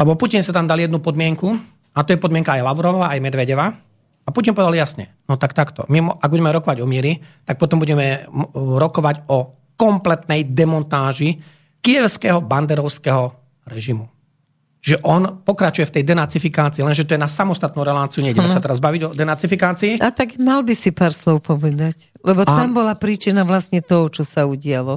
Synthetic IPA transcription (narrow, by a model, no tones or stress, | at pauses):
lɛbɔpucinsat̪amd̪aljɛd̪nupɔd̪mɪɛŋku | at̪ɔjɛpɔd̪mɪɛŋkaajlaʊɾɔʋʋaajmɛd̪ʋɛɟɛʋa | apucinpɔʋɛd̪aljasɲɛ̰nɔt̪akt̪akt̪ɔ̰mimɔaɡ̚buɟɛmɛɾɔkɔʋaɟɔmɪɛɾit̪ak̚pɔt̪ɔmbuɟɛmɛɾɔkɔʋaɟɔ | kɔmplɛt̪nɛjd̪ɛmɔnt̪aːʒi | kijɛʊskɛɦɔband̪ɛɾɔʊskɛɦɔ | ɾɛʒimu | ʒɛʔɔnpɔkɾat͡ʃujɛft̪ɛjd̪ɛnat͡sifikaːt͡siːlɛnʒɛt̪ɔjɛnasamɔst̪at̪nuɾɛlaːt͡siuɲɛiɟɛmɛsat̪ɛɾazbaʋiɟɔd̪ɛnat͡sifikaːt͡siːʔat̪aɡmalbisipaːɾslɔʊpɔʋɛd̪ac | lɛbɔt̪ambɔlapɾiːt͡ʃinaʋlast̪ɲɛt̪ɔɦɔt͡ʃɔsauɟɪalɔ